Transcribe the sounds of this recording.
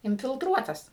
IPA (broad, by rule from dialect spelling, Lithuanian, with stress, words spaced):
ɪnʲfʲɪlˠˈtruɔtɐs